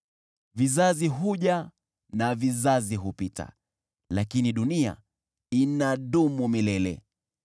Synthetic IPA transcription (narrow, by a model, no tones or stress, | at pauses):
vizaziɦuʄa | navizaziɦupita̰ | lakiniɗunia̰ | inaɗumumilɛlɛ̰